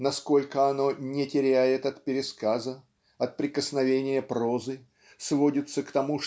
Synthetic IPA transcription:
nɐsko̞lʲkəɐno̞nʲɪtʲɪɾʲæjɪt̪ɐt̪pʲɪɾʲɪskazə | ɐt̪̚pɾʲɪkəsnɐvʲenʲɪjəpɾo̞zɨ | svo̞dʲɪt̪səkt̪ɐmu

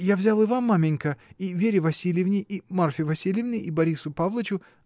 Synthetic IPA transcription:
javzʲalˠɨvamːamʲɪnʲkəivʲeɾʲɪvɐsʲilʲjɪvnʲɪimarfʲɪvɐsʲilʲɪvnʲɪibɐɾʲisʊpavlˠət͡ɕʊ

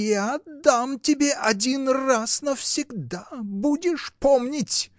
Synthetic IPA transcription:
jad̪amtʲɪbʲeʔɐdʲinrasnəfsʲɪɡd̪abudʲɪʂpomnʲɪtʲ

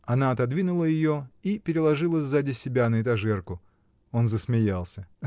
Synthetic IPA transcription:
ɐnaɐt̪ɐd̪vʲinʊlˠəjɪjo̞ipʲɪɾʲɪlˠɐʐɨlˠəzʲzadʲɪsʲɪbʲanəɪt̪ɐʐɛrkʊ | o̞nzəsmʲɪjalˠsʲə

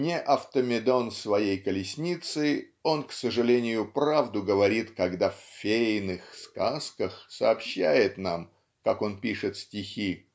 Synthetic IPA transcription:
nʲɪʔɐft̪əmʲɪd̪o̞nsvɐjejkəlʲɪsʲnʲit̪sɨ | o̞nksəʐɨlʲenʲɪjʊpɾavd̪ʊɡəvɐɾʲit̪kɐɡd̪afʲfʲejnɨxskaskəxsəːpɕːæjɪt̪nam | kako̞npʲiʂɨt̪sʲtʲɪxʲi

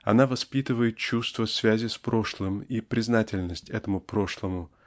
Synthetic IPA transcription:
ɐ̰navɐspʲit̪ɨvəjɪt̪̚t͡ɕust̪vəsvʲæzʲɪspɾo̞ʂlˠɨmipɾʲɪznatʲɪlʲnəsʲtʲɛt̪əmʊpɾo̞ʂlˠəmʊ

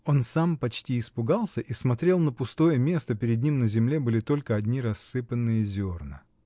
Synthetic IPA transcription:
o̞nsampɐt͡ɕtʲiːspʊɡalˠsʲəʔismɐt̪ɾʲe̞lˠnəpʊst̪o̞jəmʲe̞st̪əpʲɪɾʲɪd̪ʲnʲimnəzʲɪmlʲe̞bɨlʲɪt̪o̞lʲkəɐdʲnʲiɾɐsːɨpənːɨjəzʲo̞rnɨ̰

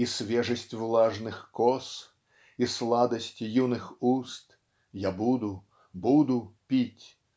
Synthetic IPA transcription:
isʲvʲɛʐɐsʲt͡sʲvlˠaʐnɨxkɔs | islˠad̪ɐsʲt͡sʲjunɨxust̪ | jabud̪u | bud̪upʲit͡sʲ

